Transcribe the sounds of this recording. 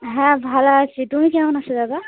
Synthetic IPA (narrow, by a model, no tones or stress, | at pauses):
ɦɛ̃bʱalasitumikɛ̃õnasɔzaba